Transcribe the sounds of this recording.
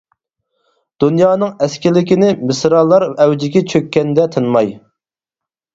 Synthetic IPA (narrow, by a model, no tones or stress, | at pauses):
d̪̥unjɑːnɨŋɛskʲɪlɪkʲinɪmɨsɾɑlˠːɑɾɛwd͡ʒɪɡʲɛt͡ʃʰøkʲːɛnd̪ɛt̪ʰɨnmɑj